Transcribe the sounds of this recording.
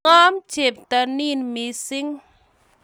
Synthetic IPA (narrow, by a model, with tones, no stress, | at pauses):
ɔ˦mt͡ʃe˨˩p̚t̪a˧ni˦˥˨nmi˧si˦ŋ